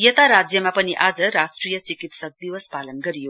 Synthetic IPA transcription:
jʌt̪aɾad͡zjʌmapʌniʔad͡zʌɾasʈrijʌt͡sikit̪sʌk̚d̪iwʌspalənɡʌɾijo

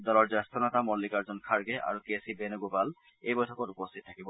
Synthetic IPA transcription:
d̪ɔlɔɾd͡ʑɔst̪onat̪amɔlːikaɾd͡ʑonkʰaɾɡeʔa̰ɾukesibenoɡupal | ejbojtʰɔkoɾupost̪ʰit̪̚t̪ʰḁkibo

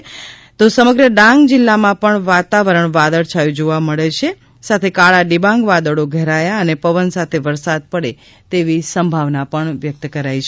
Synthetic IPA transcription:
t̪osəməɡɾəɖãŋɡd͡ʒɪlːamãpəɳʋat̪aʋəɾəɳʋad̪əɭt͡ʃʰajũd͡ʒoʋaməɭet͡ʃʰe | sat̪ʰekaɭaɖibãŋɡʋad̪əɽoɡʱɛɾajaənepəʋənsat̪ʰeʋəɾsad̪̚pəɽe | t̪eʋisəmbʱaʋnapəɳʋjək̚t̪kəɾajt͡ʃʰ

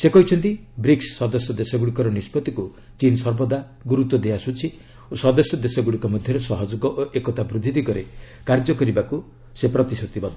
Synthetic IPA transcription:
sekɔɦit͡ʃʰɔnt̪ibɾiksːɔd̪ɔsjɔd̪esɔɡuɽikɔɾɔnispɔt̪iku | t͡ʃinsɔɾbɔd̪a | ɡuɾut̪wɔd̪easut͡ʃʰi | osɔd̪ɔsjɔd̪esɔɡuɽikɔmɔd̪ʱjɔɾesɔɦɔd͡ʒoɡɔʔʔekɔt̪abɾud̪ʱid̪ikɔɾe | kaɾd͡ʒɔkɔɾibaku | sepɾɔt̪isɔt̪ibɔd̪

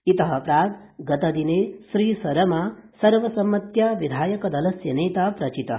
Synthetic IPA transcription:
it̪ɐɦɐpɾaːt̪ɡɐt̪ɐd̪ineːsɾiːsɐɾɐmasɐɾʋɐsɐmːɐt̪jaːʋid̪ʱaːjɐkɐd̪ɐlɐsjɐneːt̪aːpɾɐt͡ʃit̪ɐ

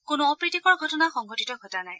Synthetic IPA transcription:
kʊnuɔpɹitikɔɹɡʱɔtɔnaxɔŋɡɔtitɔɡʱɔtanaj

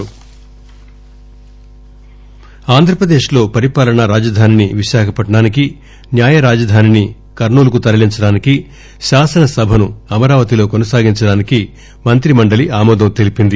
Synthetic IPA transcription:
aːnd̪ʱɾɐpɾɐd̪e̞ːʃlo̞ːpɐɾipaːlɐɳɐɾaːd͡ʒɐd̪ʱaːniniʋiʃaːkʰɐpɐʈːɐɽaːniki | njaːjɐɾaːd͡ʒɐd̪ʱaːnini | kɐɾɳuːlɐkut̪ɐɾɐliɲt͡ʃɐɽaːniki | ʃaːsɐnɐsɐbʱɐnuɐmɐɾaːʋɐt̪ilo̞ːkonɐsaːɡiɲt͡ʃɐɽaːniki | mɐnt̪ɾimɐɳɖɐliaːmɔːd̪ɐmt̪e̞lipind̪i

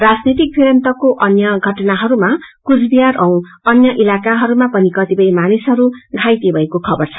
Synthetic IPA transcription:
rad͡znit̪ik̚pʰiɾʌnt̪ʌkoʔʌnjʌɡʱʌʈʌnaɦʌɾumakud͡zbijaɾʌw̃ | ʌnjʌʔilakaɦʌɾumapʌnikʌt̪ipʌjmanisɦʌɾuɡʱajt̪ibʱʌekokʰʌbʌrt͡sʰʌ̥

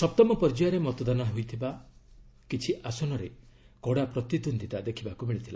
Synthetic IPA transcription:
sɔp̚t̪ɔmɔpɔɾd͡ʒijaɾemɔt̪ɔd̪anaɦujt̪ʰiba | kit͡ʃʰiʔasɔnɔɾe | kɔɽapɾɔt̪id̪und̪ʱit̪ad̪ekʰibakumiɭit̪ʰila̰

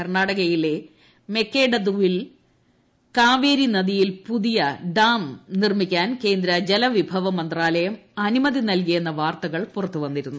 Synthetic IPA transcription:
ɐrɳaːɽɐɣɐjile̞ | me̞kːeːɖɐd̪uʋil | kaːʋeːɾinɐðijilpuðijɐɖaːmnirmikʲːaːnke̞ːnd̪ɾɐd͡ʑelɐʋibʱɐʋɐmɐnd̪raːlɐjɐmɐnumɐðinɐlk̬ijenːɐʋaːrt̪ɐɣɐɭpurɐt̪ːuʋɐnːiɾunːu

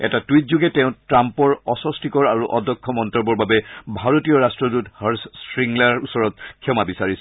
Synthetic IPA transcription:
ɛ̰tatuwitzuɡɛtɛʊ̃tɹampɔɹɔsɔstikɔɹaɹuʔɔdʱɔkʰːɔmɔntɔbɔɹbabɛbʱaɹotijɔɹastɹɔduthəɹsspɹiŋlaɹusɔɹɔt̚kʰːjɔmabisaɹisɛ

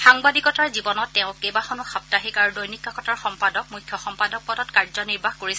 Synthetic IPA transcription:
xaŋbadikɔtaɹzibɔnɔtːɛʊ̃kejbaxɔnʊxap̚taɦikaɹudojnikːakɔtaɹxɔmpadɔk̚mujkʰːjɔxɔmpadɔk̚pɔdɔtkaɹzɔniɹbʱaxkoɹisɛ

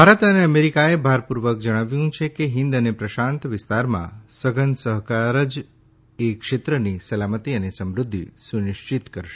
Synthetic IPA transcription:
bʱaɾət̪əneəmeɾikaebʱaɾpuɾʋək̚d͡ʒəɽ̃aʋjũt͡ʃʰekeɦɪ̃nd̪ənepɾəʃãnt̪ʋɪst̪aɾmã̰səɡənsəɦkaɾəd͡ʒ | ekʃet̪ɾənisəlamət̪iənesəmɾʊd̪ʱːḭsunɪʃt͡ʃit̪kəɾʃe̥

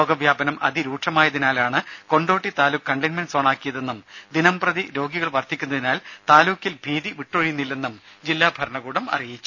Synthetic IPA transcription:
oːɡɐʋjaːbɐnɐmʔɐ̰ðiɾuːʈʂɐmaːjɐðinaːlaːɳɨko̞ɳɖo̞ːʈːit̪aːluːkːɐɳɖɐnmensoɳaːkːijɐðe̞nːumd̪inɐmprɐðiɾo̞ːɡiɣɐɭʋɐrt̪ʰikʲːun̪ːɐðinaːlt̪aːluːkːilbʱiːðiʋiʈːoːɻijunːilːe̞nːumd͡ʑilːaːbʱɐɾɳɐɣuːɽɐmɐ̰rijit͡ɕːu

